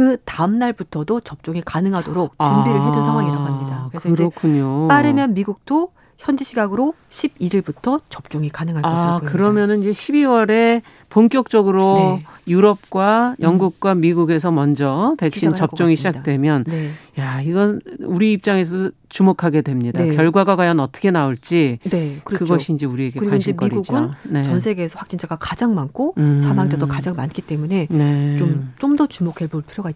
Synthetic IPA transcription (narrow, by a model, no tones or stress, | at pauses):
kɯtamnaɭbutʰʌdot͡ɕʌp̚t͡ɕ͈oŋikanɯŋɦadoɾok̚t͡ɕumbiɾɯɭɦedɯnsʰaŋɦwaŋiɾaɡɦamɲidaɯɾesʰʌɯɾʌkʰuɲot͈aɾɯmjʌnmiɡuk̚t͈o | çjʌnd͡ʑiɕʰiɡaɡɯɾo | ɕʰibiɾiɭbutʰʌt͡ɕʌp̚t͡ɕ͈oŋikanɯŋɦaɭkaʌikɯɾʌmjʌnɯnid͡ʑe̞ɕʰibiwʌɾe̞ | poŋk͈jʌk̚t͡ɕ͈ʌɡɯɾojuɾʌp̚k͈wajʔʌŋɡuk̚k͈wamiɡuɡe̞s̬ʰʌmʌnd͡ʑʌpe̞k̚ɕ͈int͡ɕʌp̚t͡ɕ͈oŋiɕʰid͡ʑak̚t͈we̞mjʌnjaiɡʌnuɾiip̚t͡ɕ͈aŋe̞s̬ʰʌt͡ɕumokʰaɡe̞dwe̞mɲidakjʌɭɡwaɡaɡajʌnʌt͈ʰʌ̥kʰe̞naoɭt͡ɕ͈inekɯɾkɯɡʌɕʰind͡ʑe̞uɾieɡeɾd͡ʑeiɡuɡɯnne̞ʌnsʰe̞ɡeːsʰʌɸwak̚t͡ɕ͈ind͡ʑʰaɡakad͡ʑaŋmankʰoɯsʰamaŋd͡ʑadokad͡ʑaŋmank͈ʰit͈e̞mune̞ne̞t͡ɕomt͡ɕomdʌt͡ɕumokʰeboɭpʰiɾjoɡa